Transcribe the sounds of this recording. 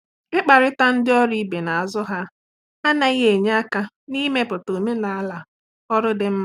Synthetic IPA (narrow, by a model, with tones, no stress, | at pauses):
ɪ˦k͡pa˨ɾɪ˦ta˦n̩˦dɪ˦ɔ˦ɾi˦be˨na˨a˨zʊ˦ɦa˦ | a˦na˦i˦ɦe˨ɲ˦a˦ka˦ | ni˦me˦pʊ˨to˨me˦na˨a˦la˨ | ɔ˦ɾʊ˦dɪ˦m̩˦m˦